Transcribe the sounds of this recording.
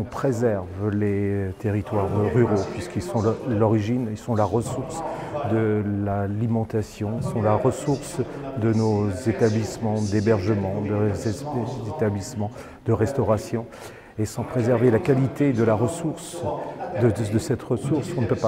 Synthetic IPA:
ɔ̃pχezɛʁvlet̪eʁit̪waʁʁyʁopɥiskilsɔ̃lɔʁiʒinilsɔ̃laʁəsuʁsd̪əlalimɑ̃t̪asjɔ̃ilsɔ̃laʁəsuʁsd̪ənozet̪ablismɑ̃d̪ebɛʁʒəmɑ̃d̪ə | et̪ablismɑ̃ | d̪̥əʁɛst̪ɔʁasjɔ̃ | esɑ̃pχezɛʁvelakalit̪ed̪əlaʁəsuʁsd̪əd̪əsɛt̪ʁəsuʁsɔ̃nəpøpa

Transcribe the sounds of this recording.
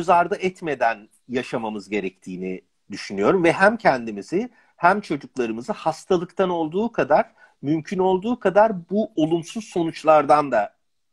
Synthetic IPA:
yzaɾd̪aʔɛt̪me̞d̪æn | jaʃamamɯzɟe̞ɾɛc̚t̪ʰiːni | d̪yʃynyjo̞ɾumvɛɦæmcʰɛnd̪imizɪ | hæmt͡ʃʰo̞d͡ʒuklˠaɾɯmɯzɯhast̪ʰalˠɯkt̪ʰano̞lˠd̪uːkʰad̪aɾ̥ | mymcʰyno̞lˠd̪uːkʰad̪aɾbuo̞lˠumsuz̥so̞nut͡ʃlˠaɾd̪and̪a

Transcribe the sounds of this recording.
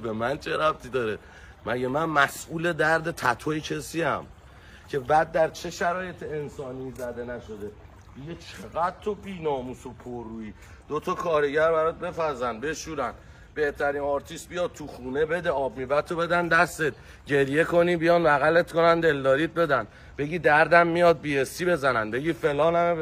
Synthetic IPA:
bemænt͡ʃʰeɾæb̚t̪ʰid̪ɒːɾe | mæɟemænmæsʔuːle̞d̪æɾd̪e̞t̪ʰæt̪ʰojecʰe̞siːæ̰m | cʰe̞bæd̪̚ːæɾt͡ʃʰe̞ʃæɾɒːje̞t̪ʰeensɒːniːzæd̪e̞næʃo̞d̪e̞ | d̪̥iɟet͡ʃʰeɣæd̪̥̚t̪ʰobiːnɒːmusopʰorːuːiː | d̪̥ot̪ʰɒkʰɒːɾe̞ɟæɾbæɾɔt̪̚be̞fæzænd̪be̞ʃuːɾænd̪ | be̞ht̪ʰæɾiːnɒɾt̪ʰist̪̚bijɒːd̪̚t̪ʰuxuːne̞be̞d̪eɒːbmiːvæt̪ʰːo̞be̞d̪ænd̪æst̪et̪̚ | ɟe̞ɾje̞kʰo̞niːbijɒːnvæɣæle̞t̪ko̞nænd̪e̞ld̪ɒːɾiːt̪̚be̞d̪æn | be̞ɟiːd̪æɾd̪æmːijɒːd̪̚biːesibe̞zænænbe̞ɟiːfe̞lɒːnæm

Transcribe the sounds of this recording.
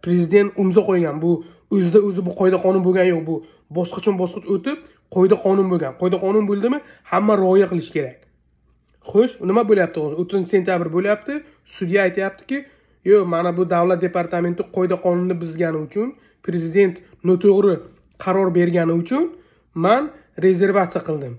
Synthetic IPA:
pɾe̞zɪd̪e̞nt̪ʊmzaqojɡʲanbʊ | ɵzɪd̪aɵzɪbʊqʰɒjd̪aqʰɒnʊnboɡʲanjoq̚bʊ | bɒsqɑt͡ʃʰanbɒsqɨt͡ʃot̪ɪp̚ | qʰɒjd̪aqʰɒnʊnboɡʲanqʰɒjd̪aqʰɒnʊnbolˠd̪ɪmɪhamːaɾɒjaqɨlˠɪʃɪ̥kʲʰe̞ɾak̚ʲ | χoʃnɪmaboljap̚t̪ɨʁozot̪ʰːʊzɪnt͡ʃɪse̞nt̪ʰʲjabɪɾboljap̚t̪ʰɪ | sʊd̪ijaːjt̪ʰɪjap̚t̪ʰɪ̥kʲɪ | jomanabʊd̪avlat̪̚d̪epaɾt̪ʰame̞nt̪ɪqʰɒjd̪aqʰɒnʊnːɪbɪzɡʲanɪʊt͡ʃʰʊn | pɾe̞zɪd̪e̞nt̪ | nɒt̪ʰoʁɾɪ | qʰɑɾɒɾbe̞ɾɡʲanɪʊt͡ʃʰʊn | man | ɾe̞ze̞ɾvat̪sijaqʰɨlˠd̪ɪm

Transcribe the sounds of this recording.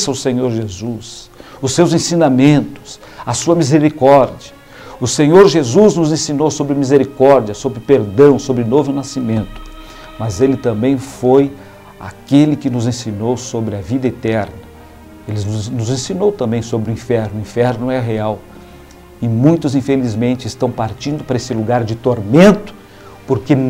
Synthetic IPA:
sɐʊsẽɲoɾʒezus | ʊsːewzẽsĩnamẽnt̪ʊ̥s | ɐsuɐmizeɾikɔɾd͡ʒiɐ | ʊsẽɲoɾʒezuznʊzẽsĩnowsobɾɪmizeɾikɔɾd͡ʒiɐsobɾɪpeɾd̪ɐ̃w̃sobɾɪnovʊnasimẽnt̪ʊ̥ | mɐzelɪt̪ɐ̃mbẽj̃foj | a̰kelɪkɪnʊzẽsĩnowsobɾɪɐvid̪ɐet̪ɛɾnɐ | elɪnʊzẽsinowt̪ɐ̃mbẽj̃sobɾɪʊĩfɛɾnʊĩfɛɾnʊɛɦeaw | ɪmũj̃t̪ʊzĩfelizmẽnt͡ʃɪst̪ɐ̃w̃paɾt͡ʃĩnd̪ʊpaɾɐesɪluɡaɾd͡ʒɪt̪oɾmẽnt̪ʊ̥ | poɾke

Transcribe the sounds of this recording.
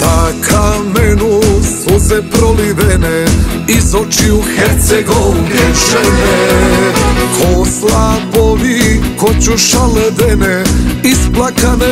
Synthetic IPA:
t̪akʰamɛnusuzɛpɾoliʋɛnɛizot͡ʃiuxɛɾt̪sɛɡoɛʒɛnɛ | kʰoslaboʋikot͡ɕuʃalɛd̪ɛnɛisplˠakanɛ

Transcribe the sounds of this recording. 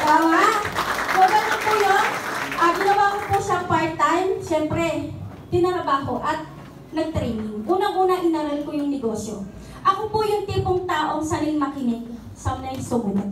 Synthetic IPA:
awaʔkoɡɐnɐnpujonʔɐɡɪnɐwaːkɐpuʃapaɹt̪ajmʃɛmpɾɛ | t̪ɪnɐɾɐbaːɦo̞ʔɐt̪̚ | nɐɡ̚t̪ɾɛjnɪŋʔuːnɐŋʔuːnɐʔɪnaɾonkojʊŋnɛɡo̞ːsjo | ʔɐkopʊjʊŋt̪iːpoŋt̪aːʔo̞ŋsɐnɪŋmɐkɪnɛk̚ | sɐmnajsomʊnɐ

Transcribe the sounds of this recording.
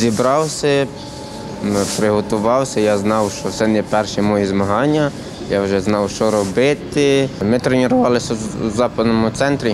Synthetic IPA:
zʲibɾɑwsʲɐ | pɾɪɦɔt̪ʊʋɑwsʲɐjɑznɑwʃt͡ʃɔwsɛnɛpɛrʃɛmɔjizmɐɦɑnʲːɐ | jɑwʒɛznɑwʃt͡ʃɔɾɔbɪt̪ɪmɪt̪ɾenʲɪɾʊʋɑlˠɪsʲɐzɑpɐd̪nɔmʊt̪sɛnt̪ɾʲi

